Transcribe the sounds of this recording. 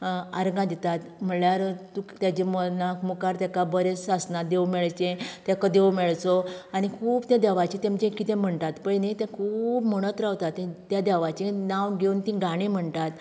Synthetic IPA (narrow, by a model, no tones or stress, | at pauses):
aɾɡãd̪it̪at̪m̤əɳɭjaɾt̪ũt̪jat͡ɕemənakmukaɾt̪jakabəɾet͡sasnad̪ewmɛɭt͡ɕẽt̪jɛkəd̪ewmɛɭt͡sɔaɽ̃ikʰuːbt̪jad̪ɛʋat͡ɕĩt̪emt͡ɕẽkit̪ɛ̃m̤əɳt̪at̪pənet̪ɛ̃kʰuːbm̤əɽ̃ət̪ɾaʋt̪at̪ːẽt̪jad̪ɛʋat͡ɕinaʋɡʱeunt̪ĩɡaɽ̃ĩm̤əɳt̪at̪